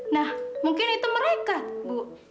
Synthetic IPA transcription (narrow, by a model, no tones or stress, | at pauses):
nahmuŋkɪnit̪uməɾekabu